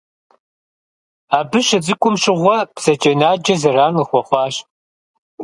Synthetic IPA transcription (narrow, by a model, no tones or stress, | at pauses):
aːbɨɕɐd͡zɨkʷʼʊmɕɪʁʷɔb̥z̥ɐt͡ʃʼɐnaːd͡ʒɐzɐraːnɨxʷɔχʷɑːɕ